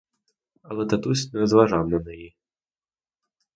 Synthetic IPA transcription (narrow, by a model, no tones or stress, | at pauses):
ɐlɛt̪at̪usʲnɛɾɐzvaʐamnɐnɨji